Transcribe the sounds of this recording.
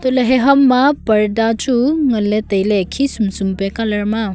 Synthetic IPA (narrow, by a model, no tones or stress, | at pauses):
tɔleɦeɦɐmːapɐɾdatuŋɐletəjlekʰisumsumpekalɐɾma